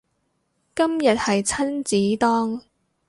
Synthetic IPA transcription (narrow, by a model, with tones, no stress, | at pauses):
kɐ˥mjɐ˨t̚hɐ˨jt͡sʰɐ˥nt͡siː˨˥t̪ɔː˥ŋ